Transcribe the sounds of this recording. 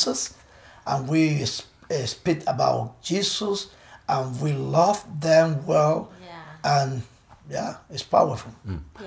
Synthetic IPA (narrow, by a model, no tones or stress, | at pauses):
səs | ʔə̃nwis | spikəba̰ʊt̚d͡ʒ̥isəs | ʔə̃nwilʌvðɛ̃mwɛlˠʔə̃n | jæɪtspʰa̰ʊə˞fu